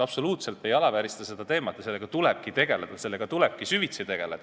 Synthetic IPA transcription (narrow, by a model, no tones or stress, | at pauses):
ɑb̥so̞luːt̪se̞lt̪ːe̞jɑlɑvæɾist̪ɑse̞d̪ɑt̪e̞ːmɑt̪ːˑɑselːe̞ɡ̥ɑt̪uleb̥̚kit̪e̞ɡ̥e̞led̪̥ɑse̞lːe̞ɡ̥ɑt̪uleb̥̚kisyvit̪sejt̪e̞ɡ̥e̞led̪̥ɑ